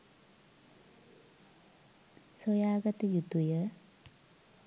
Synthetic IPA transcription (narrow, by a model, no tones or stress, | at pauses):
sojaːɡɐt̪əjut̪ujə